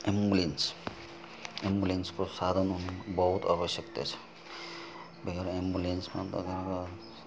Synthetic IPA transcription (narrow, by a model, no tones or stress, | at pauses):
embulens | embulenskosad̪ʱʌnunbʌɦut̪a̰βʌsjʌkt̪ʌt͡sʰʌ̥ | beɾembulensmat̪ʌ̰ɡinka